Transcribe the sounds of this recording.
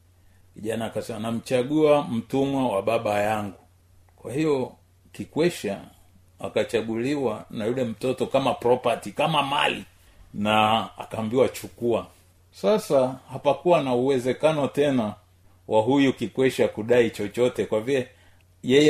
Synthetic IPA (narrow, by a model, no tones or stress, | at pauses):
kiʄanaːkasɛmanam̩t͡ʃaɠuam̩tumwawaɓaɓajaŋɡu | kwahijɔ | kikwɛʃa | a̰kat͡ʃaɠuliwanajulɛm̩tɔtɔkamapɾɔpatikamama̰li | naa̰kaːmbiwat͡ʃukua | sasahapakuwanauwɛzɛkanɔtɛna | wʔaɦujukikwɛʃakuɗait͡ʃɔt͡ʃɔtɛkwavilɛ | jɛjɛ